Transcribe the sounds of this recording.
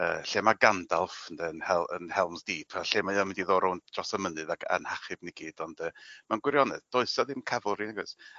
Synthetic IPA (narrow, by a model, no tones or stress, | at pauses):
ə̰ːɬeːmaɡandalˠfəndɛənhɛlˠə̰nhɛlˠmzd̥iːpʰaɬeːmaɨamɪndiðoːɾɔwnd̥ʰrɔsamənɨðakʰa̰nhaχɨbniɡiːdɔnd̥əːmanɡwɪɾjɔnɛ̰ðd̥ɔɨsɔðɪmkʰavɔlˠrinaɡɔs